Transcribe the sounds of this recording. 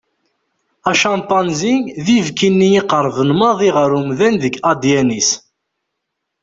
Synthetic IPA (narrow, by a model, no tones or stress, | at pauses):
æʃɑnt̪ˤːɑnzinðivkinːijiqəɾˤvənmɑðˤiʁəɾumðænðəɡɑd̪jænis